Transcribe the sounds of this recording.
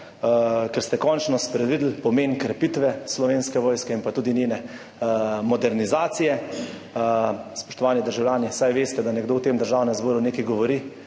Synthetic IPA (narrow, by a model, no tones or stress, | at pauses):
kɛɾst̪ɛkɔnt͡ʃnɔspɾɛd̪ʋiːd̪l̩pɔmeːnkɾɛpit̪ʋɛslɔʋeːnskɛʋɔːjskɛinpat̪uːd̪inenɛ | mɔd̪ɛɾnizaːt̪sijɛ | spɔ̥ʃt̪ɔʋaːnid̪əɾʒawlʲjaːnisajʋeːst̪ɛd̪anɛɡd̪oːwt̪eːmd̪əɾʒaːwnɛmzboːɾuneːkijɡɔʋɔɾi